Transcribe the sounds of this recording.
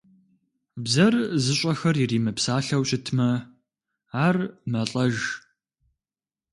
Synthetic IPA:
bzɐrzɨɕʼɐxɐrjiriːmɨpsaːɬɐwɕʼɪtʰmɐ | aːrmɐɬʼɐʒ

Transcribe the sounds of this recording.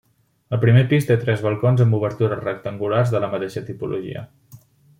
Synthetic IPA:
əpɾimepist̪et̪ɾɛzβəlˠkonzəmbuβ̞əɾt̪uɾərək̚t̪əŋɡularzðələmət̪eʃət̪ipulʔṵʒḭə̰

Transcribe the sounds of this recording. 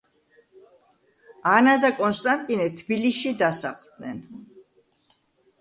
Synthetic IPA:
anad̪akʼɔnst̪ʼant̪ʼinɛt̪ʰbiliʃid̪asa̰χlˠd̪̚nɛn

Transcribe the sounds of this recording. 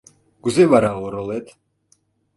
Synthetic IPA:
ɡ̥uzɛvaɾaɣɔɾɔlɛt̪ʰ

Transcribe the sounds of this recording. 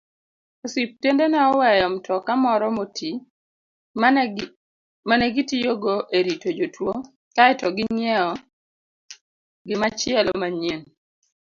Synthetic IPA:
osip̚tendenɛɔwɛjɔmtʰɔkamɔɾɔmoti | manɛɡitijoɡoʔeɾitod͡ʒotwo | kaɛtɔɡɪɲɛɔ | ɡɪmat͡ʃɪɛlɔmaɲen

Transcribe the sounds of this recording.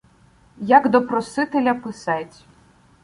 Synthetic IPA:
jaɡd̪ɔpɾɔsɨt̪ɛlʲɐpɨsatʲ

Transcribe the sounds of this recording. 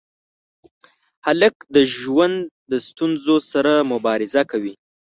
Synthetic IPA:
halək̚d̪əʒwand̪d̪əst̪unzosaɾamʊbɑɾɪzakawi

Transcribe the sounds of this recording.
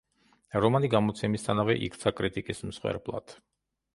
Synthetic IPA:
ɾɔmaniɡamɔt̪sʰɛmist̪ʰanavɛ̰ʔḭkʰt̪sʰakʼɾit̪ʼikʼism̩sχwɛ̰ɾblˠa̰d̪̥

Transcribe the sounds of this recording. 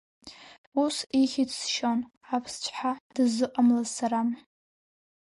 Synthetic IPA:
usiχʲɪt͡sʰʼsʃon | apʰst͡ʃʷʰʼħad̥ɨzɨqʼamlazsaɾam

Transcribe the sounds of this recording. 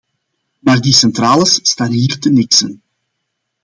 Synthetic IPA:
maːrdisɛnt̪raːləsstaːnɦiːrtənɪksən

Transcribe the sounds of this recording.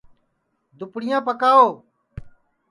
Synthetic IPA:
d̪ʊpɽɪjãːpəkaːoː

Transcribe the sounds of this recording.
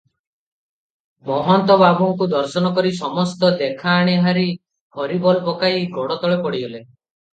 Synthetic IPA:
mɔɦɔnt̪ɔbabuŋkud̪ɔɾsɔnɔkɔɾisɔmɔst̪ɔd̪ekʰaːɽ̃eɦaɾi | kʰɔɾibɔlpɔkaiɡɔɽɔt̪ɔɭepɔɽiɦele

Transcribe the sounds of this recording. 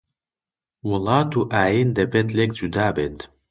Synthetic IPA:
wəlˠɑːt̪uʔaːjind̪ɛbet̪lek̚d͡ʒud̪aːbet̪

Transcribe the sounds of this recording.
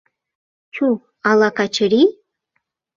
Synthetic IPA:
t͡ʃʰu | alakʰat͡ʃʰɨri

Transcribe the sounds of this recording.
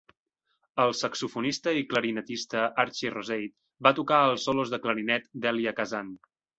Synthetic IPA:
əlˠsəksufunist̪əikləɾinət̪ist̪əʔaɾt͡ʃirozejt̪̚ | bat̪ukaəlˠsɔlozðəkləɾinɛt̪d̪ɛliəkəzan

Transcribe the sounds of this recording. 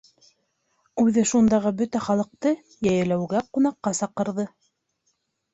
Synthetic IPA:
ʉðɘʃund̪ɑʁɤbɵt̪æχɑlˠɤ̆q̚t̪ɤ | jæjɘ̆læwɡæqunɑqːɑsɑqɤ̆ɾðɤ

